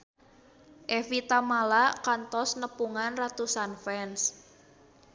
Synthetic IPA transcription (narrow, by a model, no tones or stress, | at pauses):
ʔefit̪amalakant̪ɔsnəpuŋanrat̪usanfɛns